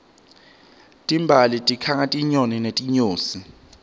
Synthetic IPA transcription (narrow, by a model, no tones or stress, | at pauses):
tʼimbʱalitʼikʰaŋatʼiɲoninetʼiɲoːsi